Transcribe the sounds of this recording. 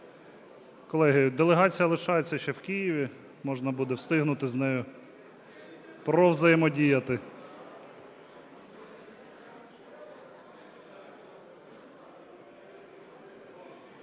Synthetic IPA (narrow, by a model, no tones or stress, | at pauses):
kɔlˠɛɦɪjʊd̪elˠeɦɑt͡sʲijɐlˠɪʃɑjet͡sʲːɐʃt͡ʃɛwkijiʋʲi | mɔʒnɐbud̪ɛwst̪ɪɦnʊt̪ɪznɛjʊ | pɾɔwzɐjɪmɔdʲijɐt̪ɪ